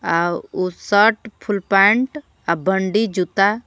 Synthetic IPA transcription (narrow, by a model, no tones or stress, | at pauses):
ausəʈpʰulpãɳʈ | abəɳɖid͡ʒut̪a